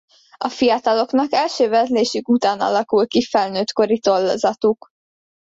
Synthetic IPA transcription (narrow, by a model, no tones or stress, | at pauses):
ɒfijɒt̪ɒlo̞knɒkɛlʃøːvɛzleːʃykut̪aːnɒ̰lɒkulkifɛlnøːt̪ko̞ɾit̪o̞lːo̰zɒt̪uk